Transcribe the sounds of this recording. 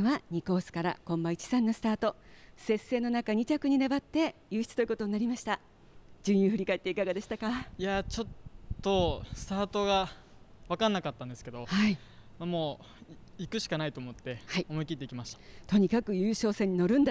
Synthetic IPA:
βaɲ̟iko̞ːsɨ̥kaɾa̰kõ̞mbait͡ɕi̥sãnːo̞sɨ̥t̪aːt̪o̞se̞se̞ːno̞nakaɲ̟it͡ɕakɯ̟ɲ̟inebat̪ːe̞jɯːçi̥t͡sɨ̥t̪oi̟ko̞t̪o̞ɲ̟naɾʲimaɕi̥t̪a | d͡ʑɨ̃ɰ̃jɯːɸɯ̟ɾʲikaet̪ːeikaɡad̪e̞ɕi̥t̪akaiat͡ɕo̞t̪ːo̞sɨ̥t̪aːt̪o̞ɡa | βakãnːakat̪ːãnd̪e̞sɨ̥ke̞d̪o̞hai | mamo̞ː | ikɯ̟ɕi̥kanait̪o̞ːmo̞t̪ːe̞haiomoikʲit̪ːe̞ikʲimaɕi̥t̪ḁt̪o̞ɲ̟ikakɯ̟jɯ̟ːɕo̞ːsẽ̞ɲ̟ːino̞ɾɯ̟̃nd̪a

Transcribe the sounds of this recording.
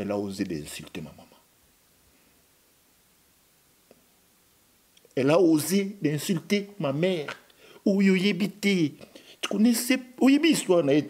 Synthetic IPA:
ɛlaozebḛ̃siltema̰mama | ɛlaozebẽsiltemamɛʁ | ujojebitetkonɛseojebiswanae

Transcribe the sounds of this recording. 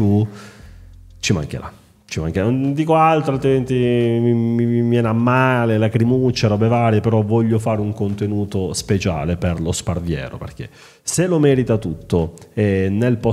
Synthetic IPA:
u | t͡ʃima̰ŋk̟ḛɾa̰ | t͡ʃima̰ŋkeɾanond̪iːkoalt̪ɾoalt̪ɾiment̪imiiimjɛːnamːaːlelakɾimut͡ʃːaɾɔbevaːɾjepeɾɔvɔʎːofaːɾeuŋkont̪enuːt̪ospet͡ʃa̰ːleperlosparvjɛ̰ːɾo̰pḛrk̟ḛ | selomɛːɾit̪at̪ut̪ːoɛnelpɔ

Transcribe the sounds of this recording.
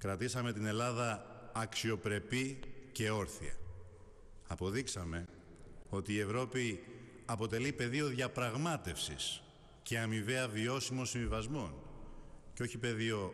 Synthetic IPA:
kɾɐt̪isɐme̞t̪ine̞lɐðɐːksio̞pɾe̞pice̞o̞ɾθḭɐ̰ | ɐpo̞ðiksɐme̞ | o̞t̪iːe̞vɾo̞pi | ɐpo̞t̪e̞lipe̞ðio̞ðʝɐpɾɐɣmɐt̪e̞fsis | ce̞ɐmive̞ɐvio̞simo̞siɱvivɐzmo̞n | ceo̞çipe̞ðio̞

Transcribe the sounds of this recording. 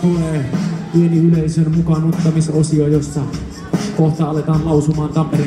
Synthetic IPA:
uɛweniulɛisənmukanut̪t̪ːəmɪsosiɔjɔsa | kɔt̪alɛt̪anlausumant̪ampəɾ

